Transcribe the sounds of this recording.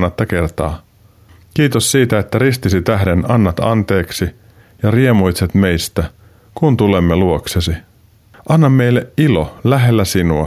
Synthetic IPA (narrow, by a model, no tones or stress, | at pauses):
nːɑt̪ːɑke̞rt̪ɑ̰ː | k̟iːt̪osːiːt̪æe̞t̪ːæɾist̪isit̪æhde̞nɑnːɑt̪ɑ̰nt̪e̞ːksi | jɑrie̞mujt̪set̪me̞jst̪æ | kunt̪ule̞mːeluoksesi | ʔɑnːɑmːe̞jlːeʔilolæɦe̞lːæsinuɑ